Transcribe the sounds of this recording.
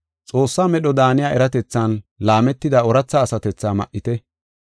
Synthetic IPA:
t͡sʼo̞ːsːaːmɛɗɔd̪aːnɪjaːʔɛɾɐt̪ɛt͡sːɐnlaːmɛt̪ːɪd̪aɔɾɐt͡sːaːsɐt̪ɛt͡sːaːmɐ̰ʔːɪt̪ɛ

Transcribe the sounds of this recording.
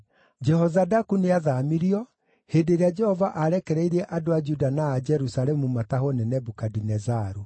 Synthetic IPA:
d͡ʒɛhɔzadakuneaðamiɾiɔ | hedeɾead͡ʒɛhɔvaʔaɾɛkɛɾɛiɾɛʔadoad͡ʒudanaːd͡ʒɛɾusaɾɛmumataɦɔnɛnɛbukadinɛzaɾu

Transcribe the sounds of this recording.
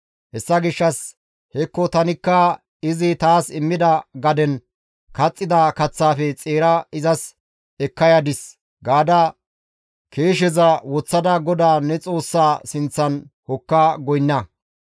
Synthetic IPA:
hɛsːɐɡɪʃːɐs | hɛkːɔt̪ɐnɪkːɐ | ɪzɪt̪aːsɪmːɪd̪ɐɡɐd̪ɛn | kɐt͡sʼːɪd̪ɐkɐt͡sːaːfɛt͡sʼeːɾɐɪzɐs | ɛkːɐjɐd̪ɪs | ɡaːd̪ɐ | kʰe̞ːʃ̬ɛzɐwɔt͡sːɐd̪ɐɡɔd̪aːnɛt͡sʼo̞ːsːaːsɪnt͡sːɐnhɔkːaːɡɔjnːɐ

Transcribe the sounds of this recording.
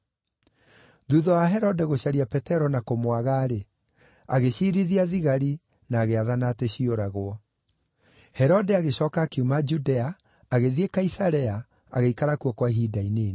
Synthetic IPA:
ðuðɔwaɦɛɾɔdɛɣoɕaɾiapɛtɛɾɔnakomwaɣaːɾe | aɣeɕiːɾiðiaðiɣaɾi | naːɣeaðanateɕioɾaɣoɔ | hɛɾɔdɛaɣeɕɔːkakeumad͡ʒudɛaː | ɣeðiekaisaɾɛa | a̰ɣeikaɾakwɔkwaɦidaineː

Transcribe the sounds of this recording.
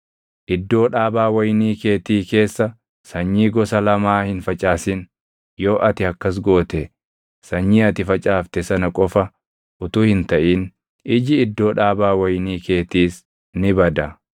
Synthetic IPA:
ʔɪd̪ːo̞ːᶑaːbaːwɐjniːke̞ːt̪iːke̞ːsːɐ | sɐɲːiːɡɔsɐlɐmaːhɪnfɐt͡ʃʼaːsɪn | jo̞ːʔɐt̪ɪhɐkːɐs̬ɡo̞ːt̪ɛ | sɐɲːiːɐt̪ɪfɐt͡ʃʼaːft̪ɛsɐnɐkʼɔfɐ | ʔʊt̪uːhɪnt̪ɐʔiːn | ɪd͡ʒɪɪd̪ːo̞ːᶑaːbaːwɐjniːke̞ːt̪iːs | nɪbɐd̪ɐ

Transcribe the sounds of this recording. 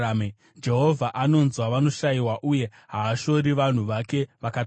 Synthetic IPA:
m | d͡ʒe̞ɦo̞vʱaʔano̞nzwaʋano̞ʃaiwaʔuje̞ | ɦaːʃo̞ɾiʋan̤uʋake̞ʋakat

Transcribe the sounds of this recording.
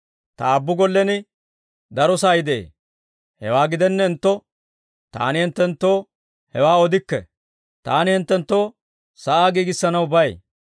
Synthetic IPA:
t̪ɐːbːʊɡɔlːɛnɪ | d̪ɐɾɔsaːjɪd̪ḛː | hɛ̰waːɡɪd̪ɛnːɛɪnt̪ːɔ | t̪a̰ːnɪhɪnt̪ːɛnt̪ːo̞ː | hɛwaːɔd̪ɪkːɛ̰ | t̪aːnɪhɪnt̪ːɛnt̪ːo̞ː | sɐʔaːɡiːɡɪsːɐnɐwbɐj

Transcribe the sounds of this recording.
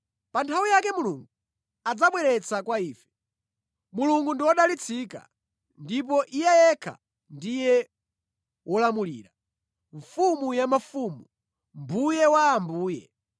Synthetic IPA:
pantʰawijakɛmuluŋɡu | ad͡zaɓwɛɾɛt͡sʰakwaiːfɛ̥ | muluŋɡundiwɔɗalit͡sʰika̰ | ndip̬ɔʔijɛjɛkʰa̰ | ndijɛ | wʔɔlamulḭːɾa | ɱfumujamafumu | mbujɛwaːmbuːjɛ̰

